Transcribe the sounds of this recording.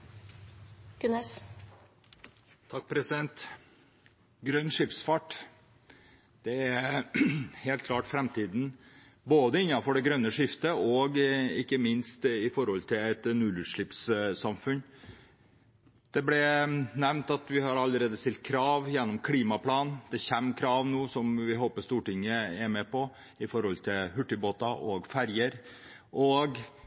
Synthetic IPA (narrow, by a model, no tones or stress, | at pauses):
ɡ̥ʉnɛs | t̪ʰɑk̚ːpʰɾɛsɪd̪ɛnt̪ | ɡɾœnːʂɪpsfɑʈ | d̪̥ɛæɾ | heːlt̪̚kʰlɑːʈfɾɛmt̪ʰiːd̪n̩ | boːd̪əɪnːɑfɔɖɛɡɾœnːəʂɪft̪əɔɡɪkːəmɪnst̪ɪfɔɾhɔlt̪ʰɪlɛt̪nʉlʉːʂɭɪpssɑmfʉn | d̪̥ɛblɛnæʋnt̪ɑt̪ʋɪhɑɾɑlːəɾeːd̪əst̪ɪlt̪̚kʰɾɑːʋjɛnːɔmkʰliːmɑpʰlɑːnnd̪̥ɛçɛmːkʰɾɑːʋnuːsɔmʋɪɦoːpəʂst̪uːʈɪŋːəɛɾmɛpɔ | ɪfɔɾhɔlt̪ʰɪlhʉʈːɪboːt̪ɑʔɔɡfæɾjəɾ | ʔɔɡ